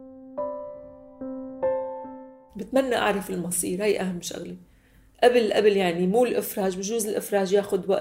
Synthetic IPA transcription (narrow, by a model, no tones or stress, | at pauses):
bɪt̪manːaʔa̰ʕɾˤɑfɪlmɑsˤiːɾhajʔaɦamːʃa̰ɣli | ʔabɪlʔa̰bɪljaʕnimuːllʔɪfɾˤɑːʒbɪʒuːzɪlʔɪfɾˤɑːʒjaːxʊd̪waʔ